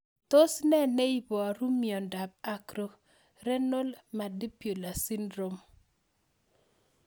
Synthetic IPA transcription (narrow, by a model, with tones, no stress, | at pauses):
to˦snɛ˦ne˦i˦bɔ˨ɾu˦miɔ˨nda˨b̚a˦kɾo˦ | ɾɛ˦no˦lma˨di˦pjo˨la˨si˦ndɾo˦m